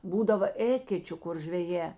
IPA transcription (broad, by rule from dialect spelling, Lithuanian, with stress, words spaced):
ˈbuːdɐʋɐ ˈeːkʲɛt͡ʃʲʊ kʊr ʒʲʋʲɛˈjɛː